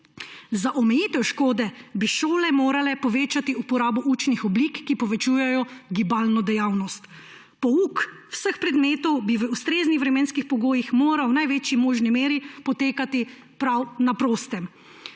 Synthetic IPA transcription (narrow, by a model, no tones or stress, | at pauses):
zaʔɔmɛjiːt̪ɛwʃkoːd̪ɛbiʃoːlɛmoːɾalɛpɔʋeːt͡ʃat̪iupɔɾaːbɔʔut͡ʃnixɔbliːkːipɔʋɛt͡ʃuːjɛjɔɡibaːlnɔd̪ɛjaːwnɔst̪ | pɔuk | wsəxpɾɛd̪meːt̪ɔwbiʋəust̪ɾeːznixʋɾɛmeːnskixpɔɡoːjixmoːɾawnajʋeːt͡ʃimoːʒnimeːɾipɔt̪eːkat̪i | pɾawnapɾoːst̪ɛm